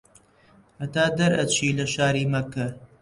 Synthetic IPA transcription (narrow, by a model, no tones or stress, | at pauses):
ʔɐt̪aːd̪ɐɾɐ̰t͡ʃiːlɐʃaːɾiːmɐkɐɾ